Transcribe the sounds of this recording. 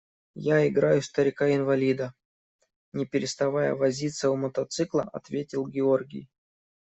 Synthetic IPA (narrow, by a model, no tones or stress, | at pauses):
jaɪɡɾajʊst̪əɾʲɪkaɪnvɐlʲid̪ə | nʲɪpʲɪɾʲɪst̪ɐvajə̰vɐzʲit̪səʊmət̪ɐt̪sɨklˠə̰ɐ̰t̪vʲetʲɪlˠɡʲɪo̞rɡʲɪ̰j